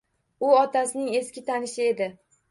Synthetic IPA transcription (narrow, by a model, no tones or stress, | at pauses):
ʊɒt̪ʰasɪnɪŋe̞skʲɪt̪ʰanɪʃɪe̞d̪ɪ